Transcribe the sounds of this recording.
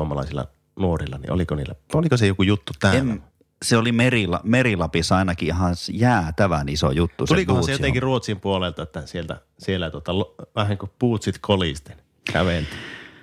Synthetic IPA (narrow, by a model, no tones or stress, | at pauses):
omɑlɑ̰ˑisilːɑ̰ | nuorilːˑɑnḭʔo̰likoniːlːæolikosejokujut̪ːut̪æenm | seolimerilɑmerilɑpisɑinɑkihɑnsjæːt̪æʋæniso̰jut̪ːusueliikohɑnsejot̪ẽŋkirruot̪simpuolelt̪ɑet̪ːæsielt̪æ̰ | sielːæt̪uot̪ɑlʋæhæŋkupuːt̪sit̪kʰolist̪e̥n | kæ̰ʋelt̪i